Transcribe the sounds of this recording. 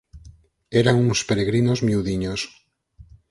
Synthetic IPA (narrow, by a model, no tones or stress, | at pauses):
eɾaŋunspeɾeɣɾinozmjuðiɲos